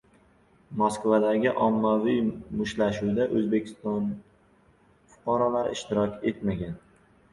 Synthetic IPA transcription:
moskvad̪aɡʲɪʔɒmːavijmʊʃlaʃud̪aʔɵzbe̞kʲʰɪ̥st̪ɒn | fʊ̥qʰɑɾɒlaɾɪɪʃt̪ɪɾɒkʲe̞t̪maɡʲan

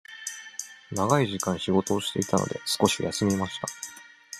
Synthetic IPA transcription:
naɡaiʑikãɰ̃ɕiɡo̞t̪o̞ːɕi̥t̪e̞it̪ano̞̰d̪e̞̰sɨ̥ko̞ɕija̰sɨmʲimaɕi̥t̪a

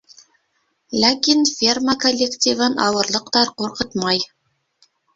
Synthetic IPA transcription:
lʲækʲinfʲermakolʲːektʲivɤnɑ̰wɤ̆ɾlˠɤ̆qt̪ɑɾquɾqɤ̆t̪mɑj

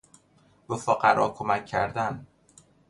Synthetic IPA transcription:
b̥efoɢæɾɒːkʰomæcʰːæɾd̪æn

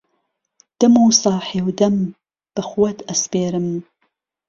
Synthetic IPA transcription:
d̪̥ɐmuːsɑːħeːwd̪ɐm | b̥ɐχuwɐt̪ʰɐspeːɾɨm

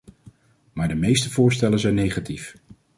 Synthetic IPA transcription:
maːɹdəmejstəvʊːɹstɛlənzɛjnːejχatif

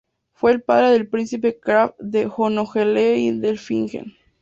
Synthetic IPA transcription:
fweːlpaðɾeðelpɾinsip̬ekɾafðexonoxeleiðelfiŋxḛn

